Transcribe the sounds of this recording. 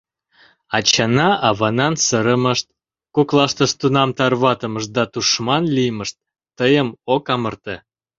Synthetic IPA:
ɑt͡ɕɑnɑʔɑβɑnɑnsəɾəməʃt̪̚ | kuklɑʃt̪əʃt̪unɑmt̪ɑrβɑt̪əməʃ̚d̪ɑt̪uʃmɑnlijməʃt̪̚ː | əjəmokɑmərt̪e

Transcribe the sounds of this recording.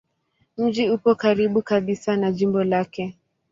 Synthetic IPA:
m̩d͡ʒiupɔkaɾiɓukaɓisanaʄimbɔlakɛ

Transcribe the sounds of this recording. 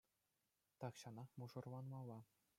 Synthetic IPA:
t̪ɑkɕɑnɑmuʐɤ̆rlɑnmɑlˠːɑ

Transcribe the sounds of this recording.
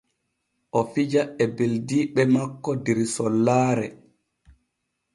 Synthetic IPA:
ʔɔfid͡ʒaɛbeldiːɓɛmakːɔdiɾsɔlːaːɾɛ

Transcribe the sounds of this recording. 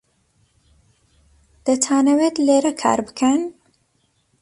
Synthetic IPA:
d̪̥ɐt̪ʰwaːnɐwet̪leːɾɐkʰa̰ːɾbɨkʰɐn

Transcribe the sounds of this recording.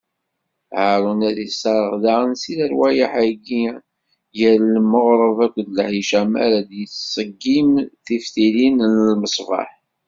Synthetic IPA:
ʕəɾˤənæðisɑɾˤəʁðaʁənsiɾəɾwæjəħæɡi | jəɾləmːəʁɾˤəvækʷːðləhiʃæmæ̰ɾæd̪jət͡sːsˤəɡːimθifθilinnəlməsˤvɑ̰ħ

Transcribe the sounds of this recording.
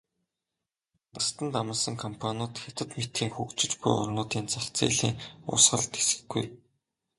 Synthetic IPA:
t̪ast̪ə̆nt̪amə̆sə̆ŋkʰɔmpʰanʊːt̪xʲat̪ə̆t̪met̪xiːŋxuːkt͡ɕɪ̆t͡ɕpʊ̰jɔ̰rnʊːt̪iːnt͡saxt͡sḛːɮḛːŋʊ̰sχə̆ɮt̪e̥sɘ̥̆ɡɡṵj

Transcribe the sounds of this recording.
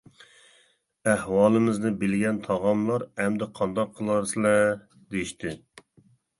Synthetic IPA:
æhwɑːlˠɨmɪznɨbɪlɡʲɛnt̪ʰɑʁɑmlˠɑɾɛmd̪ɛqʰɑnd̪ɑqʰːəlˠɑɾsɨlɛ | d̪ejiʃt̪ʰɪ

